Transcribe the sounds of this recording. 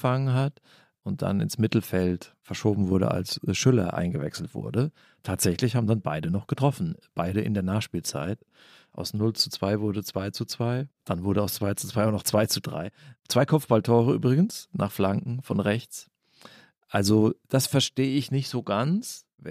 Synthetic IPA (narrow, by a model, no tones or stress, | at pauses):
faŋənɦat | ʊnt̚d̥a̰nɪ̰nsmɪtl̩fɛltfɛɐʃoːbm̩vʊɐɾə̰ʔa̰lsʃʏlɐ̰ʔa̰ɪnɡəvɛ̰ksl̩tv̥ʊ̰ɐdə | tʰaːtz̥ɛçlɪçhaːbm̩danba̰ɪdənɔχɡ̥ətʁ̥ɔfn̩b̥aɪɾəʔɪ̰ndeːɐnaːχʃpiːlt͡sa̰ɪt | ʔaʊsnʊlt͡su̥t͡sv̥aɪvʊɐdət͡sv̥aɪt͡sut͡sv̥aɪd̥anvʊɐɾəaʊst͡sv̥aɪt͡su̥t͡sv̥aɪaʊnɔχt͡sv̥aɪt͡sudʁa̰ɪt͡sv̥aɪkʰɔpp͡fb̥altʰɔːʁəʔy̰ːbʁɪɡən̩sna̰ːχflaŋkŋ̩fɔnʁɛçt͡s | ʔalzod̥asfɛɐʃteːɪçnɪçtz̥oːɡant͡s | v